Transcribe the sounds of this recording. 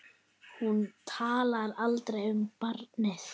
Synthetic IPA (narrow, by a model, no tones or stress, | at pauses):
hunt̪ʰaːlaɾalt̪ɾejʏmpaɾt̪nɪθ